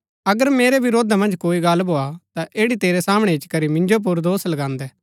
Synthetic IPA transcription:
ɐɡəɾmeːɾeʋɪɾoːd̪amɐ̃nd͡ʒkoːiɡɐlboːat̪aʔeːɽit̪eːɾesaːmɽ̃ɛɪt͡ʃkɐɾimɪ̃ɲd͡ʒop̬ʊɾd̪oːslɐɡãːnd̪ɛː

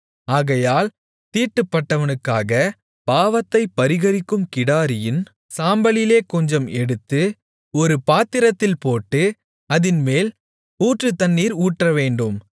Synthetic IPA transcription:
aːɣɐjaːl | t̪iːʈːɯpːɐʈːɐʋɐnɯkːaːɣɐ | paːʋɐt̪ːɐɪpːɐɾɪɣɐɾɪkːɯmkɪɽaːɾɪjɪn | saːmbɐɭɪleːkɔɲd͡ʒɐmɛɽɯt̪ːɯ | ɔɾɯpaːt̪ːɪɾɐt̪ːɪlpoːʈːɯ | ɐðɪnmeːl | uːʈrɯt̪ɐnːiːɾuːʈrɐʋeːɳɖɯm

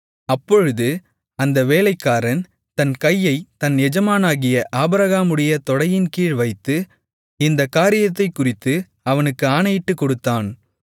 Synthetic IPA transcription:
ɐpːɔɻɯðɯ | tɐnd̪ɐʋeːlɐɪkːaːɾɐn | t̪ɐnkɐjːɐɪt̪ɐnɛd͡ʒɐmaːnaːɣɪjɐʔaːbɾɐɣaːmɯɽɪjɐt̪ɔɽɐjɪnkiːɻʋɐɪt̪ːɯ | ɪnd̪ɐkaːɾɪjɐt̪ːɐɪkːʊrɪt̪ːɯ | ɐʋɐnɯkːɯaːnɐjɪʈːɯkːɔɽɯt̪ːaːn

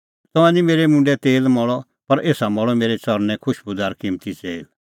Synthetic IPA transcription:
t̪ɔ̃ãnimeːɾemũːɳɖɛt̪eːlmɔɭɔ | pɐɾʔeːsamɔɭɔmeːɾet͡sɔɾnɛ̃kʰʊʃbʊd̪aːɾkɪmt̪it͡seːl

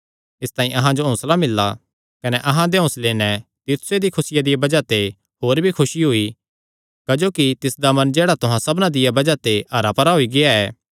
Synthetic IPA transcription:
ɪst̪ãːĩʔɐɦãd͡ʒoɦʊ̃ːslamɪlːa̰ | kɐnɛʔɐɦãd̪eõsleːnɛt̪ɪt̪sed̪ikʰʊsɪjad̪ɪjabɐd͡ʒat̪e | ɦoːɾbʱikʰʊʃiɦʊi | kɐd͡ʒoːkit̪ɪsd̪amɐnd͡ʒeːɽat̪ʊɦãsɐbnãd̪ɪjabɐd͡ʒat̪eɐɾapɐɾaɦoiɡɪaɛː

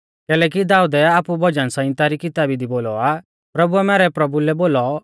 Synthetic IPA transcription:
kɛːlɛːk̬id̪aːud̪ɛaːpubʱɔd͡ʒənsãɪ̃nt̪aɾikɪt̪aːbid̪iboːlɔa | pɾɐbuɛmɛːɾɛpɾɐbulɛboːlɔ

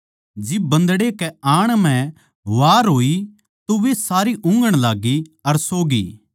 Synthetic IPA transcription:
d͡ʒɪbːɐ̃nd̪ɽekɛaːɽ̃m̤ɛ̃ | ʋaːɾɦoːi | t̪oʋesaːɾiʔʊ̃ŋɡəɽ̃laːɡiɐɾsoːɡḭː

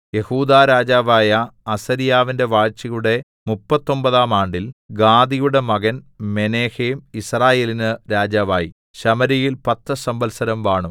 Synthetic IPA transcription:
je̞huːd̪aːɾaːd͡ʑaːʋaːjɐːsɐɾijaːʋinde̞ʋaːɻt͡ɕːɐjuɽe̞ | mupːɐt̪ːo̞mbɐðaːmaːɳɖilɡaːd̪ijuɽe̞mɐɣɐnme̞neːheːmisraːjeːlinɨɾaːd͡ʑaːʋaːji | ɕɐmɐɾijilpɐt̪ːɨsɐmbɐlsɐɾɐmʋaːɳu

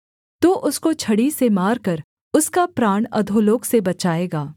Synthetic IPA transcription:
t̪oːʔʊskot͡ʃʰɐɽisemaːɾkɐɾ | ʊskapɾaːɳ̃ɐ̰d̪ʱoːloːksebɐt͡ʃaːeːɡaː

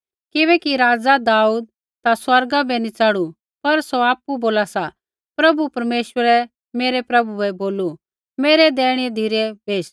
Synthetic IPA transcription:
kɪβɛkiɾaːd͡zad̪aːuːd̪̚ | t̪aswɐɾɡabɛnit͡sɐɽu | pɐɾsoaːpuboːlasa | pɾɐbupɐɾmeːʃwəɾɛ | meːɾɛpɾɐbuɛboːlu | meːɾɛd̪ɛːɽ̃id̪ʱiɾɛbeːʃ

